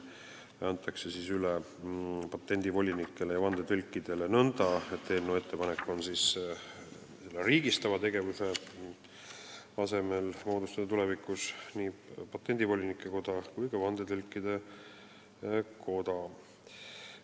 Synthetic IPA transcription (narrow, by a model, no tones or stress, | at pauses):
ænt̪ːˑɑkse̞siːsyle | pɑt̪ːˑe̞nʲd̪̥ivo̞lʲinikːe̞lejɑvɑnd̪̥et̪ølʲkːˑid̪̥e̞le̞nɤnd̪̥ɑet̪ːelnːue̞t̪ːe̞pɑnekːˑo̞nsis | se̞lːeriːɡist̪ɑvɑt̪e̞ɡe̞vuse̞ | ɑse̞me̞lmo̞ːd̪ust̪ɑd̪ɑt̪ulevikˑusniːpɑt̪ːˑe̞nʲd̪̥ivo̞lʲinikːˑeko̞d̪̥ɑkujkɑvɑnd̪et̪ølʲkːˑid̪̥e̞ | kʰo̞d̪ɑ